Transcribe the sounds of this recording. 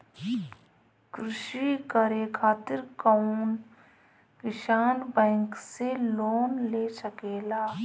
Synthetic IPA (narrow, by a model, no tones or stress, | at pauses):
kɾɪʃikəɾekʰaːt̪ɪɾkaʊn | kɪʃaːnbɛ̃ːŋkseloːnleːsəkeːlaː